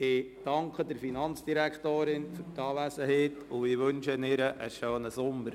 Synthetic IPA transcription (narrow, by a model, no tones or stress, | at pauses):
ɪd̥ɑŋkχədəɾfinɑnt͡sd̥iɾækχtoːɾɪnfyɾtɑːlæsəheːtʊɪʋɵnʃənɪɾəʔəʃøːnəsʊmːəɾ